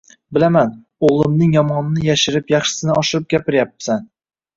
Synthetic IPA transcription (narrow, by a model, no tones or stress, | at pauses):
bɪlaman | oʁlˠɪmnɪŋjɒmɒnɪnɪjaʃɪɾɪpjaχʃɪ̥sɪnɪɒʃɪɾɪp̚ɡʲapɪɾjap̚ːsan